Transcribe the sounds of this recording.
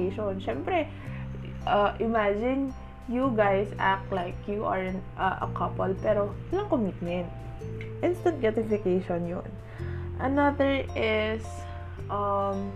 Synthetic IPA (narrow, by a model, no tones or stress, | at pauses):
ʃonʃɛmpɾɛ | ʔɐʔɪmad͡ʒɪn | juɡajsa̰k̚t̪lajkjuʔɐɹɛnʔɐʔɐ̰kʰɐpɐlpɛːɾowɐlɐŋkomit̪̚mɛnt̪̚ | ʔɪnst̪ɐ̃nt̪̚ɡɹat̪ɪfɪkejʃonjo̰n | ʔɐnɐðɛɹʔɪs | ʔɐm